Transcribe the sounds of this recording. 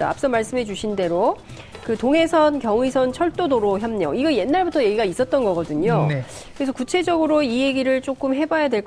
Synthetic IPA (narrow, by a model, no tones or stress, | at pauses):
a̰a̰p̚ʰs͈ʌmaɭs͈ɯmɦe̞d͡ʑuɕʰinde̞ɾo | kɯtoŋe̞sʰʌnkjʌŋɥisʰʌnt͡ɕʰʌɭt͈odoɾoçjʌmɲʌiɡʌje̞nːaɭbutʰʌje̞ɡiɡais͈ʌt̚t͈ʌnɡʌɡʌdɯɲon | kɯɾe̞sʰʌkut͡ɕʰe̞d͡ʑʌɡɯɾoieɡiɾɯɭt͡ɕ͈ok͈ɯmɦe̞bajadwe̞ɭk